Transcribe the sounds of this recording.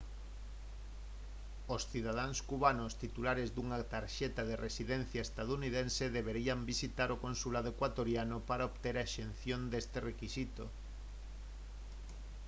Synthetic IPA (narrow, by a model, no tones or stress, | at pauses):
osθið̞að̞aŋskuβanost̪it̪ulaɾezd̪uŋat̪aɾʃɛt̪að̞erʔesiðen̟θjaest̪aðuniðenseðeβeɾiambisit̪aɾokonsulað̞oekwat̪oɾjanopaɾaoβt̪eɾaʃen̟θjond̪est̪erekisit̪o